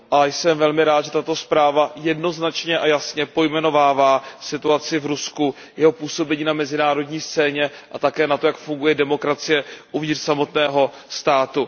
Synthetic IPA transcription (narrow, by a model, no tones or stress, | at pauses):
ʔajsɛmvɛlmɪɾaːt̪ʒɛt̪at̪o̞spɾaːvajɛdno̞znat͡ʃɲɛʔajasɲɛpo̞jmɛno̞vaːvaːsɪt̪uat͡sɪvɾusku | jɛɦo̞puːso̞bɛɲiːnamɛzɪnaːɾo̞dɲiːst͡sɛːɲɛʔat̪akɛːnat̪o̞jakfuŋɡujɛdɛmo̞kɾat͡sɪjɛʔuvɲɪtr̥samo̞t̪nɛːɦo̞ | st̪aːt̪u